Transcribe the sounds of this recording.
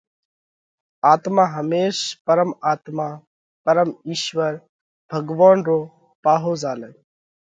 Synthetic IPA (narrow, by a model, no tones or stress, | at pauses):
aːt̪mãːɦəmeːʃpəɾəmaːt̪maː | pəɾəmiːʃʋəɾ | bʱəɡʋaːnɾoː | paːɦoːzaːlə